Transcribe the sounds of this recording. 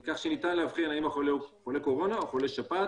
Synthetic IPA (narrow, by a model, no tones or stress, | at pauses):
kaχʃenit̪anlehavχinaimaχoleχoleko̞ʁo̞naχo̞leʃabat